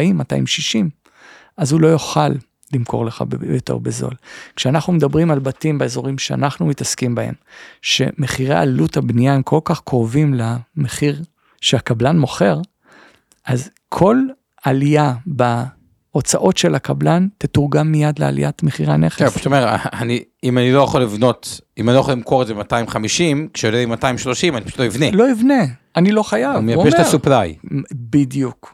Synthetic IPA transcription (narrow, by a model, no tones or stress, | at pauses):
imːata̰imʃiʃim | ʔazhulo̞joχalː | imkʰo̞̰ʁleχa̰jotḛʁbezo̰lkʃeanaχnumedabʁimalbatimbeezo̞ʁimʃea̰naχnumitaskimbahḛmʃe̞̰meχiʁḛaliluthabnijamkʰolkaχkʁovimlameχiʁ | ʃeakablanmo̞χe̞ʁ | ʔaz | kʰo̞l | alijaba | ot͡saʔo̞tʃelakablantetuʁɡamːijadlḛa̰lḭjatmeχiʁaneχeaʃu̥tomeʁa̰ani | imanilo̞jaχolivno̞timaniojaχolimkʰoʁetdzeematajimχamiʃimkʃejodebimataimʃlo̞ʃimanipaʃu̥tloivnelo̞ivne | anilo̞χajavmeaeʃmet̪assuplajbidjuk